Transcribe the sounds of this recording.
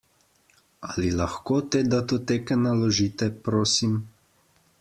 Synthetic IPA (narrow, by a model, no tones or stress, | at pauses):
alilaxkoːt̪eːd̪at̪oːt̪eːkɛnalɔʒiːt̪ɛpɾoːsim